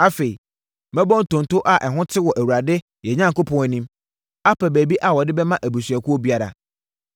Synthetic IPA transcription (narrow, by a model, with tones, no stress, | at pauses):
a˦fe˨i˨ | mɛ̃˦bɔ̃˦n˨tʊ̃˨n˨tʊ˦ʔa˦ʔɛ˨ɦʊ̃˦tʰɪ˦wɔ˨ʔæ˨wu˨ɾa˨dɪ˦ | jɛ˨ɲã˦ŋkʊ˦pʰɔ̃˨ŋæ˨nĩ˦m | a˦pʰæ˨bæ˨bi˦ʔa˨wɔ˨dɪ˦bɛ˦mã˦ʔæ˨bu˨sɥæ˨kʰʊ˦ɔ˦bi˦a˦ɾa̰˨